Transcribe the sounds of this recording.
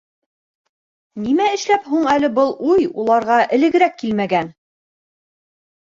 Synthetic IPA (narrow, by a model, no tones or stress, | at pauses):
nimæɘ̆ʃlæphuɴælɘbɤlˠujulˠɑɾʁɑʔɘ̆lɘ̆ɡɘ̆ɾækːilmæɡæn